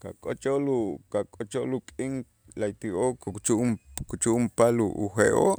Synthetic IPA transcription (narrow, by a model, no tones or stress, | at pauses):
ka̰kʼot͡ʃoʔlukakʼot͡ʃoʔlukʼiŋ | lajt̪iokut͡ʃukut͡ʃuʔumpaluːxeʔoʔ